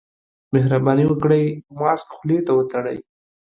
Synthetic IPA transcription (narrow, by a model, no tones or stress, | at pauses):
mɪɦɾabɑniwəkɽəjmɑskxlet̪awət̪aɽə̰j